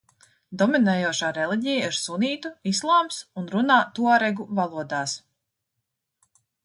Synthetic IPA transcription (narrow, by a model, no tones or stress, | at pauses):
d̪ɔminɛːjuɔʃaːɾɛlˠiɟɛjaiɾsuniːt̪uislˠaːmsunɾunaːt̪uaɾɛɡuvalˠuɔd̪aːs